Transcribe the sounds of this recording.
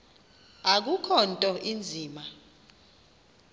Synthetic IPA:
ak̬ukʰɔntʼɔʔind͡zʱiːma

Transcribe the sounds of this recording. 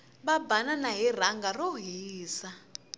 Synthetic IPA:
ɓabananaɦir̤aŋɡarɔɦiːsa

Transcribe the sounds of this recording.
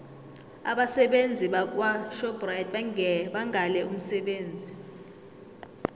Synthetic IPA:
a̰ɓasɛɓend͡zʱiɓak̬waʃɔb̥rajd̚ɓaŋɓaŋʱalɛum̩sɛɓeːnd͡zʱi

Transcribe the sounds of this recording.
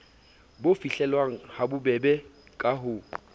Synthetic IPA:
bofiɬɛlwaŋ̩habʊbɛbɛkʼaɦʊ

